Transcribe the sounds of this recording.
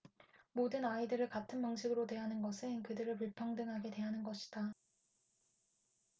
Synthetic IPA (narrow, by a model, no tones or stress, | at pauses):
modɯnaidɯɾɯɭkatʰɯnpaŋɕʰiɡɯɾotwe̞ɦanɯnɡʌsʰɯnkɯdɯɾɯɭpuɭpʰaŋdɯŋɦaɡe̞twe̞ɦanɯnɡʌɕʰi̥d̥a